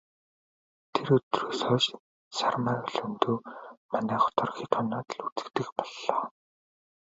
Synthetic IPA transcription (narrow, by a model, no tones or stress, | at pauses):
t̪ʰeɾɵt̪rɵːsœːt͡ɕ | sarmaːɮɵnt̪uːmanæːχɔ̥t̪ɔ̆rxiːt̪ʰɔnaːt̪ɮut͡sɘ̥̆kt̪ɘ̆kpɔɮːɔː